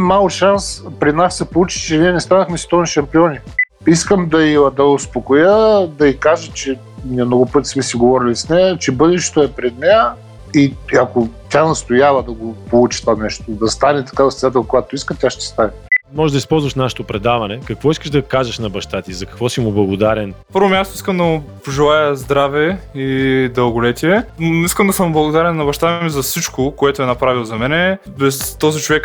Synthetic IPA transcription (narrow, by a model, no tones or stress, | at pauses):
mːalˠkʃanspɾinassɛpolˠut͡ʃi̥t͡ʃɛniɛnɛst̪anəxmɛst̪ɔniʃɐmpiɔnʲi | iskəmd̪ɐiɐd̪ɐʊspokojəd̪ɐikaʒət͡ʃɛ | miɛmnɔɡʊpɤt̪i̥smɛsiɡovɔɾilisnɛjət͡ʃɛbɤd̪ɛʃɛ̥t̪oɛpɾɛd̪nɛjə | iɐkot̪ʲanɐst̪ojavɐd̪ɐɡopolˠut͡ʃi̥t̪vanɛʃt̪od̪ɐst̪anɛt̪ɐ̥kad̪ɐsɛnat̪ɛlˠkojat̪oiskət̪ʲaʃt̪ɛ̥st̪anɛmɔʒeʒd̪ɐispɔlˠzvɐʃnaʃɛ̥t̪opɾɛd̪avɐnɛkɐkvɔiskəʒd̪ɐkaʒɐʃnɐbɐʃt̪at̪izɐkɐkvɔsimʊblˠɐɡod̪aɾɛnpəɾvomʲjast̪ʊiskəmd̪ɐmʊpoʒɛlˠajɐzd̪ɾavɛid̪ɐlˠɡʊlɛt̪iɛiskəmd̪ɐsəmblˠɐɡod̪aɾɛnːɐbɐʃt̪amizɐfsit͡ʃkokoɛt̪ʊɛnɐpɾavilˠzɐmɛnɛ | bɛst̪ɔzit͡ʃovɛk